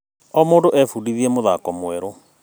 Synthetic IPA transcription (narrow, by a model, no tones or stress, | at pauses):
ɔmoːndoʔɛfudiðiɛmoðakɔmwɛɾo